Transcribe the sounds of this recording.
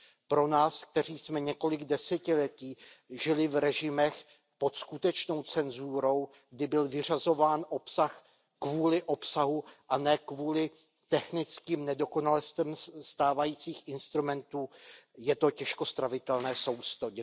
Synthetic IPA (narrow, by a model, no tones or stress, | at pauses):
pɾo̞naːsk̚t̪ɛr̝iːsmɛɲɛko̞lɪɡdɛsɛcɪlɛciːʒɪlɪvɾɛʒɪmɛx | po̞t̪skut̪ɛt͡ʃno̞wt͡sɛnzuːɾo̞w | ɡdɪbɪlvɪr̝azo̞vaːnʔo̞psax | kvuːlɪʔo̞psaɦuʔanɛːkvuːlɪ | t̪ɛxnɪt͡skiːmnɛdo̞ko̞nalɛst̪ɛmst̪aːvajiːt͡siːxʔɪnst̪ɾumɛnt̪uːjɛt̪o̞cɛʃko̞st̪ɾavɪt̪ɛlnɛːso̞wst̪oɟɛ